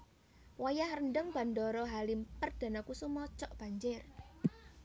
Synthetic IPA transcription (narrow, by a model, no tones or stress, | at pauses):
wajahrənɖəŋb̥a̤ndɔɾɔɦalimpərd̥a̤nakusumɔt͡ʃɔʔb̥a̤ɲd͡ʒɪr